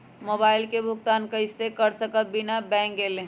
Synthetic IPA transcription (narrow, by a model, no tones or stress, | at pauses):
moːbaːɪlkebʱʊkt̪aːnkəɪsekəɾsəkət̪̚bɪnabɛ̃ːŋkɡeːlẽ